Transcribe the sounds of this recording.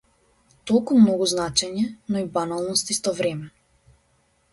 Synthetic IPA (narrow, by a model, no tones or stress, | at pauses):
t̪olˠkumnɔɡuznat͡ʃɛɲɛnɔibanalˠnɔst̪ist̪ɔvɾɛmɛ